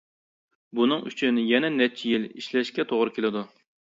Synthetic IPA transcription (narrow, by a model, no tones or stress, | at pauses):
bunɨŋy̰t͡ʃʰynjɛnɛnɛt͡ʃʰijiliʃlɛʃkʲɛt̪ʰoʁɾɨkʲʰelɪd̪u